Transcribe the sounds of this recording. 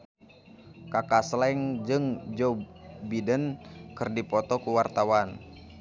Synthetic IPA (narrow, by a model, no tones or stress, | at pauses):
kakaslɛŋd͡ʒɨŋd͡ʒɔbidənkɨrdipɔt̪ɔkuwart̪awan